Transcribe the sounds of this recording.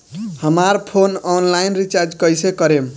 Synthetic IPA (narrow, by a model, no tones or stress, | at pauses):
həmaɾpʰonɔnlajnɾit͡ʃaɾd͡ʒkəjsekəɾem